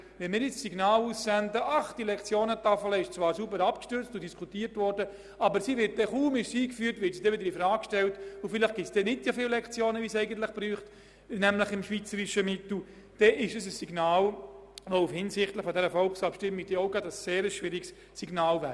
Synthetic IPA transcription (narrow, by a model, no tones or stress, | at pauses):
ʋɛnmɪːɾjɪt͡ssiɡnaːluːssændəʔɑχd̥ilɛkt͡sjoːnətɑfələɪʃt͡svɑːɾsubəɾɑpkʃtʏɾt͡stʊd̥iskʰutiːɾtvɔɾdə | ʔɑbəɾsiːvɪɾt̚d̥ɛχuːmɪʃsiːkfyːɾtʋɪɾtsidɛʋɪdəɾifɾɑːkkʃtɛltʊfɪlɪχɡ̥ɪt͡ssd̥ɛnɪtsofɪllɛkt͡sjoːnəʋiːsɛɪɡənt̪lɪχb̥ɾyːχt | nɛmlɪχɪmʃʋit͡səɾɪʃəmɪtl̩ | d̥ɛʔɪʃəsəsːiɡnaːlʋoufhɪnsɪχtlɪχfɔdɛɾəfɔlksɑpʃtɪmɪɡ̚d̥ɛɔʊɡɑdəsːeːɾəsʃʋɪɾiɡs | siɡnaːlvɛ